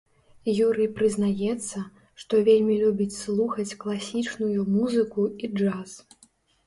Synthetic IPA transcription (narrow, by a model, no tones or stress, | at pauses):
juɾɨpɾɨznajɛt̪sːɐ | ʂt̪ɔvʲelʲmʲilʲubʲit͡sʲslˠuxɐt͡sʲklˠasʲit͡ʂnujumuzɨkuid͡ʐas